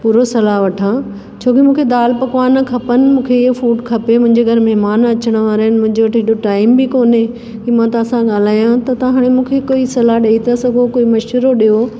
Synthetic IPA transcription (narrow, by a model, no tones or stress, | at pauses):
puːɾosɐlaʋɐʈʰã | t͡ɕʰoːkimũːkʰed̪aːlpɐkʋaːnɐkʰɐpənɪ̆mũːkʰefuːʈkʰɐpemʊ̃ɦɪ̃ɲd͡ʑeɡʱɐɾmɛɦmaːnɐt͡ɕəɽ̃ə̆ʋaːɾnɪmʊ̃ɦɪ̃ɲd͡ʑoʋɐʈʰɦeɗoʈaːɪmbikoːne | kiːmãt̪ɐʋãsãɠaːl̤aːjãt̪ɐt̪ːɦaːɽ̃emũːkʰekoːisɐlaɗɐit̪asɐɡʱokoːimɐʃəɾoɗijo